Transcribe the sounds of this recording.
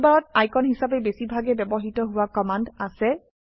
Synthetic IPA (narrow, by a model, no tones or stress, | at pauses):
baɹɔt̚ajkɔnɦisap̬ɛbesibʱaɡɛbɛbɔɦitɔɦʊwakɔmandasɛ